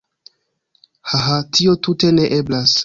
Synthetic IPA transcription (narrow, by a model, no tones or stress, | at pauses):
haɦatʰio̞tute̞ne̞ʔeblas